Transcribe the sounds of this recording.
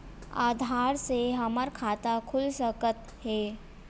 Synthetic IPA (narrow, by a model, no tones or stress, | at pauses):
aːd̪ʱaːɾseɦɐməɾkʰaːt̪akʰʊlsəkət̪ | ɦɛː